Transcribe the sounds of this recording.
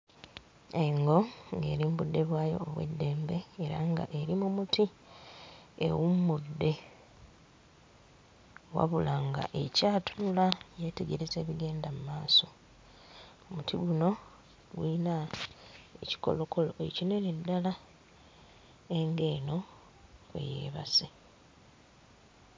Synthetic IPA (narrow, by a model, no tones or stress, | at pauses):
eŋɡo̞ŋɡe̞̰ːɾimbudːe̞βwaːjo̞̰ːβwḛdːe̞ːmbe̞ːɾa̰ŋɡa̰ʔe̞ɾimumuti | ḛwumudːe̞ | wa̰βulaŋɡa̰ʔe̞caːtunulajete̞ɡe̞ɾe̞ze̞ːβiɡe̞ːndamumaːso̞ | omutʰiɡuno̞ | ɡwiːna | e̞ci̥ko̞̰lo̞ko̞lo̞ecinenedːala | eŋɡe̞ːno̞ | kwḛjḛːβase